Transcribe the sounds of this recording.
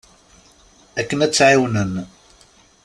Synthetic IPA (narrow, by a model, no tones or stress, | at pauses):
ækːənæt͡sːʕiwnən